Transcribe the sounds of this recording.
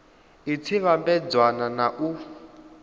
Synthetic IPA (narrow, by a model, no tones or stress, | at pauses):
it͡sʰiβambɛd͡zwananaʔu